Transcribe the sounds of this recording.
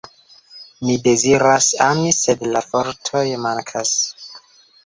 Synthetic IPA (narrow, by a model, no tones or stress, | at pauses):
mide̞ziɾasamisedlafoɾtʰo̞jmaŋkʰas